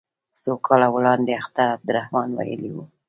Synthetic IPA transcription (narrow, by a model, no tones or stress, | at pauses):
sokʰɑlawlɑnd̪eaxt̪aɾab̚d̪ʊɾahmɑnwa̰jə̰liwṵ